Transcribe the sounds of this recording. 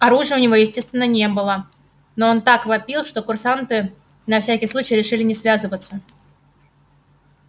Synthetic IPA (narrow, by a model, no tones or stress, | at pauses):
ɐɾuʐɨjəʊnʲɪvo̞jɪsʲtʲet̪vʲɪnːənʲe̞bɨlˠə | no̞o̞nt̪akvɐpʲilˠʂt̪o̞kʊrsant̪ɨ | nɐfsʲækʲɪjslˠut͡ɕɪjɾʲɪʂɨlʲɪnʲɪsvʲazɨvət̪sːə